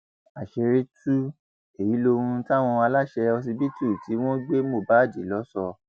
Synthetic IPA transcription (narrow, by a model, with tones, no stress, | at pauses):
a˨ʃe˧ɾi˦tu˦ | e˨ji˨˦lo˧ɾũ˧˦ti˦a˦˨w̃ɔ̃˧wa˧la˦˨ʃɛ˧ɔ˧s̬i˧bi˦tu˦˨ti˨˦w̃ɔ̃˦ɡ͡be˦mo˦˨ba˨˦˨di˨˦lɔ˨˦sɔ˧